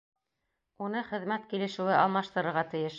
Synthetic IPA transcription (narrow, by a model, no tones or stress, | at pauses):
unɤχɘ̆ðmæt̪kilɘ̆ʃɘ̆wɘʔɑlˠmɑʃt̪ɤ̆ɾɤ̆ɾʁɑt̪ɘ̆jɘʃ